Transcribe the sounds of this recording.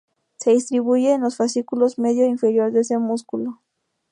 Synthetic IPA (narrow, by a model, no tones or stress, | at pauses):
se̞ðist̪ɾiβuʝe̞ːnlo̞sfasikulo̞zme̞ðjo̞infe̞ɾjo̞ɾðeese̞muskulo